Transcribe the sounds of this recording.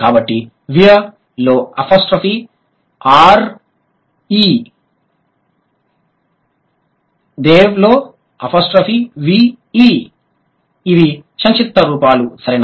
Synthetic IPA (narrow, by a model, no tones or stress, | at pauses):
kaːbɐʈːi | ʋijɐ | loːɐpʰoːsʈɾɐfiː | aːɾ | i | d̪eːʋloː | ɐpʰoːsʈɾɐfiːʋi | iː | iʋiʃɐnt͡ʃit̪ːɐɾuːpaːlusɐɾen